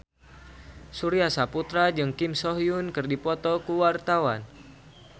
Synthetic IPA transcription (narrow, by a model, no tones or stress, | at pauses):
suɾiasaput̪ɾad͡ʒɨŋkimsɔɦjunkɨrdipɔt̪ɔkuwart̪awa̰n